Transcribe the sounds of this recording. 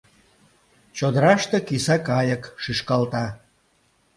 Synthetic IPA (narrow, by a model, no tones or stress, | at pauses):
t͡ɕod̪əɾɑʃt̪ekisɑkɑjəkʃyʃkɑlt̪ɑ